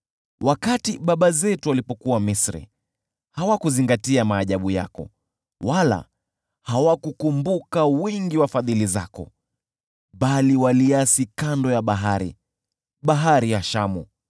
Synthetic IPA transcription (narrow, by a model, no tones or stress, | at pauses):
wakatiɓaɓazɛtualipɔkuwamisɾḭ | hawakuziŋɡatiamaːʄaɓuja̰kɔ̰ | wala̰ | hawakukumbukawɛŋɡiwafaðiliza̰kɔ̰ | ɓaliwaliasikandɔjaɓaɦaɾḭ | ɓaɦaɾijaʃamṵ